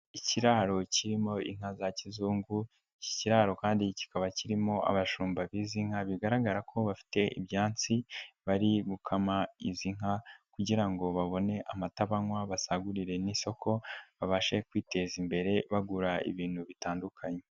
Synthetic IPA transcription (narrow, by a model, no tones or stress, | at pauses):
iciɾaɾo̞ciɾimo̞ḭŋ̥azacizuːŋɡu | ci̥ciɾaːɾo̞kaːndici̥kaβaciɾimo̞a̰βaʃuːmbaβiːziŋ̥haβiɡaɾaɡaɾakʰo̞βafi̥te̞ʔḭβɟaːnt͡siβaɾiɡukʰamaiziŋ̥ɦakuɟiɾaŋɡo̞βaβo̞ne̞ʔamataβaŋwaβasaɡuɾiɾe̞niso̞kʰo̞βaβaʃe̞kwiːte̞zimbe̞ɾe̞βaɡuɾaḭβiːn̥huβitaːndukʰaɲe